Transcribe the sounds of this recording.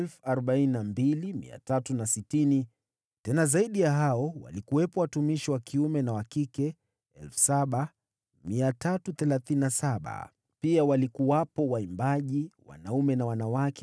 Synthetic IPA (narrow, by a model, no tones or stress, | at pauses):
ɛlfuaɾɔɓaininambilimḭa̰tatunasitini | tɛnazaiɗijaɦaɔwa̰likuwɛpɔwatumiʃiwakʰiumɛnawakikɛ | ɛlfu̥saɓa | miatatuθɛlaθininasaɓa̰ | piawalikuwapɔwaimbaʄiwa̰naumɛnawanawakʰɛ